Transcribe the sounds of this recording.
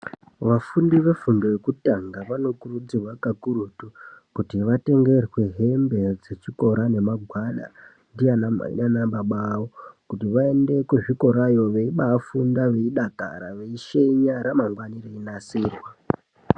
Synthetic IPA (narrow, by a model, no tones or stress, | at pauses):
ʋafundiʋe̞fundo̞jekutaŋɡaʋano̞kurud͡zirwakakuɾutukutiʋate̞ŋɡe̞rwe̞ɦe̞mbe̞d͡ze̞t͡ʃiko̞ɾane̞maɡʱwaɗa̰ | ndianama̰ḭɗanaɓaɓawokutiʋae̞nde̞kuʐiko̞ɾajo̞ʋe̞iɓafundaʋe̞iɗaka̰ɾa̰ʋe̞iʃe̞ɲaɾamaŋɡwanireinasiːrwa